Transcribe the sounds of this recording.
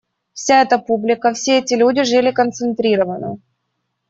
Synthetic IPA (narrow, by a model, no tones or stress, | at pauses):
fsʲaɛt̪əpublʲɪkəfsʲeɛtʲɪlʲudʲɪʐɨlʲɪkənt̪sɨnt̪ɾʲiɾəvənɨ̰